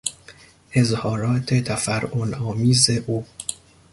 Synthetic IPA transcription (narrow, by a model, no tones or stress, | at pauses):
ʔe̞zhɒːɾɒːt̪ʰet̪ʰæfæɾʔonɒːmiːzeʔuː